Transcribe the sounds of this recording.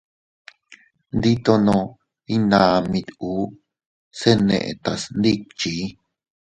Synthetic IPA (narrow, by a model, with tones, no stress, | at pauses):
nd̪i˦t̪o˧nõ˧ | i˦nãː˨˧mĩ˧t̪uː˨˦ | se˦nḛ̃˧ʔḛ̃˧t̪a˨snd̪i˦t͡ʃi˨˦